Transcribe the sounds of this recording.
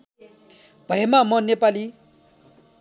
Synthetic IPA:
bʱʌɦemamʌnepali

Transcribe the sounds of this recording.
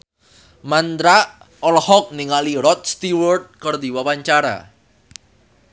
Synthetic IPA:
mand̪ɾa | ɔlhɔk̚niŋaliɾɔt̪̚st̪iwɔrd̪̚kərd̪iwawaɲt͡ʃaɾa̰

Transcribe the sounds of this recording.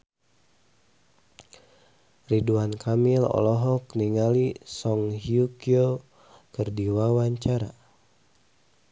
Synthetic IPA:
riduankʰamilɔ̰lɔɦɔkniŋalisɔŋhiukio | kɨrdiwawaɲt͡ʃaɾa̰

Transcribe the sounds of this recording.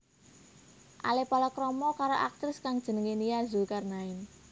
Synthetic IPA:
ʔa̰lepalɔkɾɔmɔkaɾoʔa̰k̚t̪ɾɪskaŋd̥ʒ̥ə̤nəŋenijazukarnaɪn

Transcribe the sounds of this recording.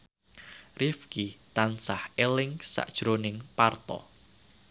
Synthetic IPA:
rʔifkit̪ansahelɪŋsa̰ʔd̥ʒ̥ɾonɪŋpart̪ɔ̰

